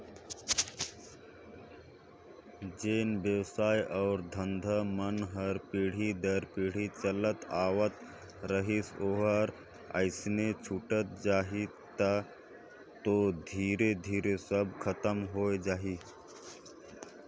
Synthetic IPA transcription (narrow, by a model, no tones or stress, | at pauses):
d͡ʒeːnbjəʋsaːjʔɔːɾd̪ʱə̃nd̪ʱəmənɦəɾpiːɽ̤id̪əɾpiːɽ̤it͡ʃələt̪aːʋət̪ | ɾəɦisoːɦəɾ | ə̰ɪsnet͡ʃʰuʈət̪̚d͡ʒaːɦi | t̪a | t̪od̪ʱiːɾed̪ʱiːɾesəb̚ʱkʰət̪əmɦoːjd͡ʒaːɦi